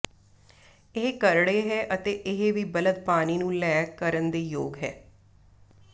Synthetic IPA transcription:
ɪɦekəɾɽeːɦɛːʔət̪eːʔɪɦeʋiːbələd̪paːniːnũːlɛːkəɾənd̪eːjoːɡɦɛː

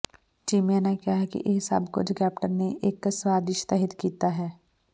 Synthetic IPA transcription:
t͡ʃiːmjaːnakjaɦɛkḭʔeɦɪsɐ̰bkʊ̰d͡ʒʰkɛːpʈəɾneʔeːkːswaːd̪ɪʃt̪ɛɦɪt̪kiːt̪aɦɛː

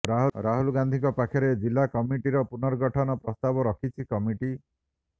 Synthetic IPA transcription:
ɾaɦuɾaɦulɡand̪ʱiŋkɔpakʰɔɾed͡ʒilːakɔmiʈiɾɔpunɔɾɡɔʈʰɔnɔpɾɔst̪abɔɾɔkʰit͡ʃʰikɔmiʈi

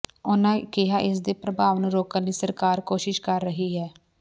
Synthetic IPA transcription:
ʊnãːkɪɦaːʔɪsd̪eːpɾəbʱaːʋnũːɾoːkənliːsəɾkaːɾkoːʃɪʃkəɾːəɦiːɦɛː

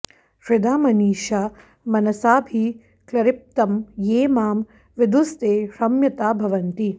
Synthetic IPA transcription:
ʃɾɪd̪aːmɐniːʃaː | mɐnɐsaːbʱi | klɐɾɪp̚t̪ɐmjeːmaːm | ʋɪd̪ust̪eːʃɐmjɐt̪aːbʱɐʋɐnt̪i

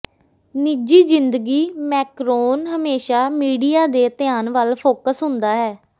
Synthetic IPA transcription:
niːd͡ʒiːd͡ʒɪnd̪əɡiːmɛːkɾoːnɦəmeːʃaːmiːɖijaːd̪eːt̪ɪjaːnʋəlpʰoːkəsɦʊnd̪aːɦɛː

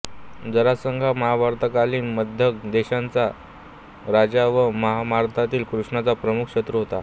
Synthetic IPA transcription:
d͡zəɾasəŋɡʱaməɦabʱaɾt̪əkaliːnməd̪ʱjəkd̪eɕant͡sa | ɾad͡ʑaʋəməɦamaɾt̪ʰat̪iːlkɾuʂɳat͡sapɾəmukʰɕət̪ɾəɦot̪a

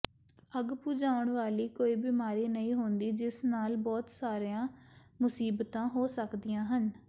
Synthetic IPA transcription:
əɡpuːd͡ʒãːʊɳʋaːliːkoːiːbimaːɾiːnəĩːɦʊnd̪iːd͡ʒɪsnaːlbɔːt̪saːɾejãːmʊsiːbt̪ãːɦoːsəkd̪ijãːɦən

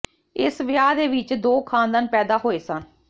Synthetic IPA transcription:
ɪsʋɪjaːd̪eːʋɪt͡ʃd̪oːkʰaːnd̪aːnpɛːd̪aːɦoːeːsən

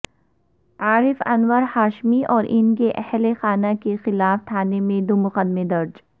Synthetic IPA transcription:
aːɾɪfɐnwəɾhaːʃmiʔɔːɾʔɪnkeʔɛhlexaːnakexɪlaːft̪ʰaːnemẽd̪omʊqəd̪med̪ɐɾd͡ʒ

